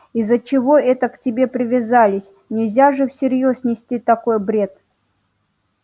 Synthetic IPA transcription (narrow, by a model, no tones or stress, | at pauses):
izːət͡ɕɪvo̞ɛt̪əktʲɪbʲe̞pɾʲɪvʲɪzalʲɪsʲ | nʲɪlʲzʲaʐɨfsʲɪɾʲjosnʲɪsʲtʲit̪ɐko̞jbɾʲe̞t̪